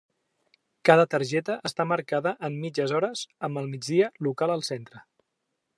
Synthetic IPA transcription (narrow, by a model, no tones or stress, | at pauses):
kaðət̪əɾʒɛt̪əʔəst̪aməɾkaðəʔəmːid͡ʒəzɔɾəzəmbəlˠmid͡zðiəlukalˠəlˠsent̪ɾə